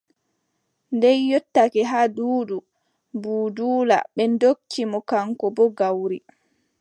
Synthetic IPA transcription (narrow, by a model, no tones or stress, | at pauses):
ndɛjːɔtːakɛɦaduːdu | buːduːla̰ɓɛndokt͡ʃːimɔkaŋkɔbɔɡawɾi